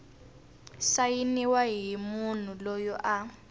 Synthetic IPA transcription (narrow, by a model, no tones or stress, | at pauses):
sajiniwaɦimun̤ulɔjɔʔa